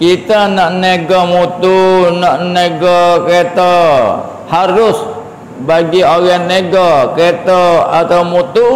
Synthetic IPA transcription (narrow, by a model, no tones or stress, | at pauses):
kit̪anaʔneɡɔmut̪unaʔneɡɔket̪a | haɾʊs | baɡioɡanːeɡɔket̪ɔat̪awmut̪u